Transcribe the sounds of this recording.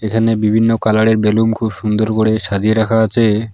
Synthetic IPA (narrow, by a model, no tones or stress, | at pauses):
ekʰanebibʱinːokalaɽeɾbelumkʰubʃund̪oɾkoɽeʃad͡ʑieɾakʰaat͡ɕʰe